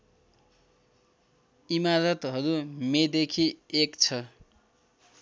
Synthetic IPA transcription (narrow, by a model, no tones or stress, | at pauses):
imaɾʌt̪ɦʌɾumed̪ekʰiekt͡sʰʌ